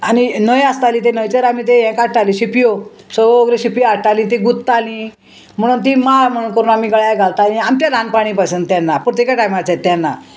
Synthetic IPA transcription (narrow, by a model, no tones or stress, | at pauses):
aninəjast̪alĩːt̪enəjt͡seɾamit̪̬ejɛ̃kaɽ̚ʈaliɕipjo | sɔoɡɾeɕipjoaʈʈalĩt̪iɡut̪ːalĩ | m̤əɽ̃uːnt̪̬imam̤əɽ̃unkəɾuːnamiɡəɭjaɡʱalt̪alĩamt͡ɕalʱãnpaɽ̃ĩpasənt̪ːjanːapɾɔt̪jekaʈajmat͡sat̪ːanːa̰